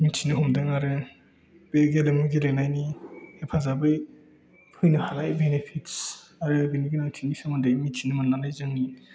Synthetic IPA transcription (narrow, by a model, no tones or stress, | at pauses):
mitʰinɯɦɔmdaŋaɾe | beɡelemɯɡelenajnihepʰazabɯj | pʰɯjnɯhanajbenepʰitsaɾɯbiniɡinawtʰinisʰemɯndajmitʰinɯmanlanajzɯŋni